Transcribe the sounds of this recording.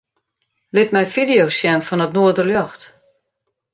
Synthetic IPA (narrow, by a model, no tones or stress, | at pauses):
lɪtmɛjfidijosjɛnfɔnətnoədərljɔxt